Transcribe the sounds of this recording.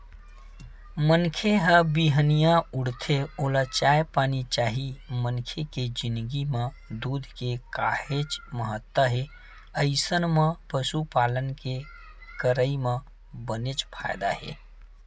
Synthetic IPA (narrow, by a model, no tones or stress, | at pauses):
mənkʰeɦəbiɦənijãuɽt̪ʰeoːlat͡ʃaepanit͡ʃaːɦimənkʰeked͡ʒind̪ɡimẽ | d̪uːd̪ʱkekahet͡ʃməɦət̪ːwəɦe | əɪsənmẽpəsupalənke | kəɾəimẽ | bənet͡ʃpʰajd̪a̰ɦḛ